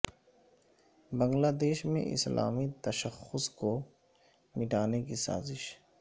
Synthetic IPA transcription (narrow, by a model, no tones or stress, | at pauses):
bɐ̃ŋɡlaːd̪eːʃmḛ̃ʔɪ̰sla̰ːmit̪ɐʃəxʊsko | mɪʈaːnekisa̰ːzɪʃ